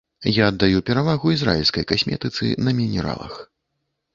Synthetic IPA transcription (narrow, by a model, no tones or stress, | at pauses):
jaɐd̪ːajupʲɛɾavaɣuizɾa̰ilʲskɐjkasʲmʲɛ̰t̪ɨt̪sɨ̰nɐmʲinʲɛɾa̰lˠɐ̰x